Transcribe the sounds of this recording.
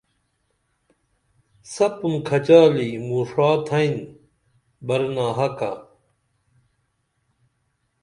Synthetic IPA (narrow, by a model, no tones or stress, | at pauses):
sɐpumkʰɐt͡ɕaːliːmuːʂaːt̪ʰɐin | bɐɾnaːɦɐka̰